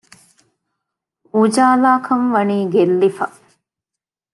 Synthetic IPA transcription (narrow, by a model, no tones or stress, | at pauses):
ud͡ʒaːlaːkʰɐmʋɐniːɡelːifɐ